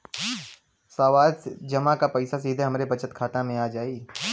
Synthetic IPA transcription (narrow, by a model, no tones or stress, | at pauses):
saːʋaːd̪sd͡ʒɐmãkapɐɪsas̬iːd̪ʱeɦɐmɾebɐt͡ʃət̪kʰaːt̪ãmẽaːd͡ʒaːiː